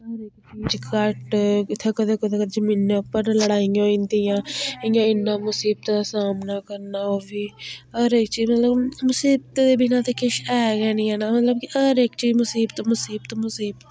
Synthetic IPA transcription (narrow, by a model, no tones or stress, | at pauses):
ɦəɾeːkt͡ʃiːd͡ʒkəʈɪt̪ʰːeːkəd̪ekəd̪ekəd̪ezəmiːnːeʊpːəɾnləɽaːĩŋɡoːɪnd̪ijãːɪŋɡaɪnːaːmʊsiːb̚t̪ːd̪aːsaːmnaːkəɾnaːoːbiːɦəɾeːk̚t͡ʃiːd͡ʒmət̪ləbmʊsiːb̚t̪ed̪eːbinãːt̪ekɪʃɛːɡɛːnĩɦɛːnaːmət̪ləbkiəɾeːkt͡ʃiːd͡ʒmʊsiːbt̪omʊsiːbt̪omʊsiːb̪